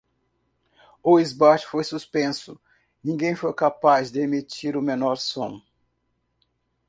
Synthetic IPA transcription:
ʊizbat͡ʃɪ̥fojsuspẽsʊ | nĩŋɡẽj̃fojkapazd̪ɪemit͡ʃiɾʊmẽnɔɾsõw̃

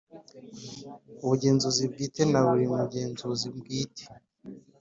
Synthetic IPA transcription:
uβuɟe̞ːnzuzib̚ɡiːtenaβuɾiumuɟeːnzuzibɡiːtʰe̥

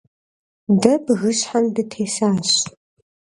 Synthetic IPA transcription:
dɐbɣɨɕħandɨtʰeːsaːɕ

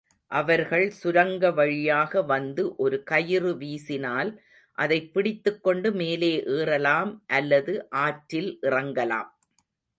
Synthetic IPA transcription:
ʔɐʋɐɾɣɐɭsʊɾɐŋɡɐʋɐɻɪjaːɣɐʋɐnd̪ɯʔɔɾɯkɐjɪrɯʋiːsɪnaːl | ʔɐðɐɪpːɪɽɪt̪ːɯkːɔɳɖɯmeːleːʔeːrɐlaːmʔɐlːɐðɯʔaːʈɾɪlʔɪrɐŋɡɐla̰ːm

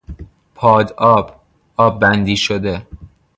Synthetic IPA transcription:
pʰɒːd̪ɒːb̥ | ɒːbːænd̪iːʃod̪e

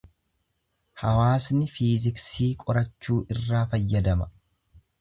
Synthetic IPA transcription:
hɐwaːsnɪfiːzɪksiːkʼɔɾɐt͡ʃːuːʔɪrːaːfɐjːɐd̪ɐmɐ̥

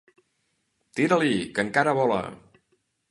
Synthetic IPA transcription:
t̪iɾəlikəŋkaɾəβɔlə̰

